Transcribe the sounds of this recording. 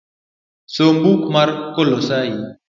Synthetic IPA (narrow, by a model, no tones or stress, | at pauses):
sombukmaɾkolosai